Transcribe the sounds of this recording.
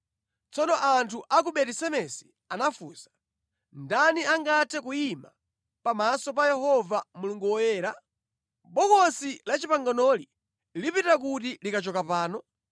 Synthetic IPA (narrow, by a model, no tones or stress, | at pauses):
t͡sɔnɔʔantʰuʔak̬uɓɛtɛsɛmɛsi̥ | anafuːsḁ | ndaniaŋɡatʰɛk̬ujima̰ | pamasɔp̬ajɛɦɔvamuluŋɡuwɔjɛːɾa | ɓɔkɔsilat͡ʃipaŋɡanɔli | lipitak̬ut̬ilikat͡ʃɔkapaːnɔ